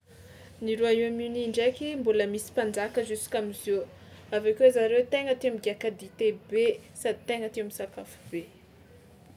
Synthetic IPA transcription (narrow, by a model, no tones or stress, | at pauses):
niɾuaiaminiɳɖ͡ʐekʲimbuləmisi̥panɖ͡ʐakəzusu̥kamizo | avakewzaɾewt̪eŋət̪ewamiɡakad̪it̪ebesad̪it̪eŋət̪ewamisakafu̥b̥e